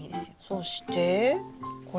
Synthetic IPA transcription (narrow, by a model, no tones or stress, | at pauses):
d̪esijosoɕi̥t̪e | kʰo